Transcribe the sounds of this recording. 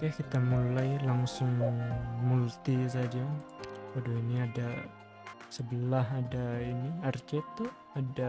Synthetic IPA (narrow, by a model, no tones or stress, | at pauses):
kajakit̪amulajlaŋsʊŋmult̪isad͡ʒawadoiniada | səbəlaɦadainiart͡ʃɛt̪ʊh | ada